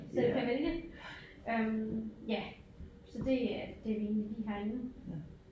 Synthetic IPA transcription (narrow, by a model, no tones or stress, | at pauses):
sɒd̥ekʰæʋelɡ̥ə | ømjæ | sɒ̽d̥e̝æd̥e̝æʋe̝ːnlidliɦæɐinu